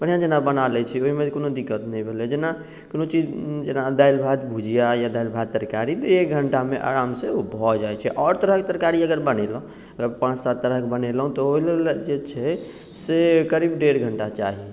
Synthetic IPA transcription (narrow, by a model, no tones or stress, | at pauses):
b̥əɽ̤jãd͡ʒenabənalɛt͡ʃʰɛoɦimed͡ʒkonod̪ikːət̪nɛĩbʱelɛd͡ʒena | konot͡ʃid͡ʒd͡ʒenad̪ajlbʱad̪bʱud͡ʒijajad̪ajlbʱad̪̚t̪əɾkaɾit̪ek̚ɡʱəɳʈamḛʔa̰ɾamseobʱɔd͡ʒaɛt͡ʃʰɛʔɔːɾt̪əɾəɦket̪əɾkaɾiəɡəɾbənelɦũ | əɡəɾpãt͡ʃsat̪ːəɾəɦkbənelɦũt̪ɔɦoleld͡ʒet͡ʃʰɛ | sekəɾibɖeɾɡʱəɳʈat͡ʃaɦi